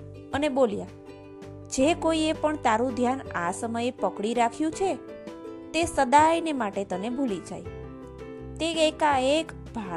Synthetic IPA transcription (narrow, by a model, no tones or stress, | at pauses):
ənebolja | d͡ʒekoiepəɳt̪aɾũd̪ʱjanasəməjepəkɽiɾakʰjũt͡ʃʰe | t̪esəd̪ajnemaʈet̪ənebʱulid͡ʒa̰j | t̪eekaek | bʱa